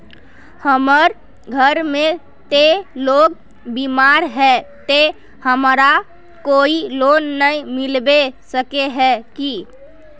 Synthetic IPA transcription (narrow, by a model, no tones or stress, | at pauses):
həməɾ | ɡʱəɾmẽ | t̪eloɡ | bimaɾɦɛt̪e | həmɾa | koilonːəimilbesəkeɦɛki